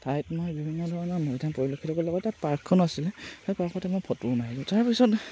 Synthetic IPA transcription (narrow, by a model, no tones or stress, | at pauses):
tajtmojbibʱinːɔdʱɔɹɔnɔnɔjdʱanpɔɹilokʰːitɔkɔlɔɡɔtːatpaɹkʰːɔnasilɛxejpaɹkʰɔtɛmojpʰɔtunaɦizũtaɹpisɔt